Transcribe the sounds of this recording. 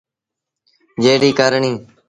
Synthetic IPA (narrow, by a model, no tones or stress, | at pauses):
d͡ʒeːɽiːkaːɾɳĩː